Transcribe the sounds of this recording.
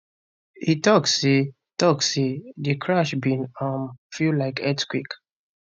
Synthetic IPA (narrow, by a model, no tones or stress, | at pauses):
itɔkse | tɔksedikʰɹaʃbĩnɔmfilaɪkʰɛtkwik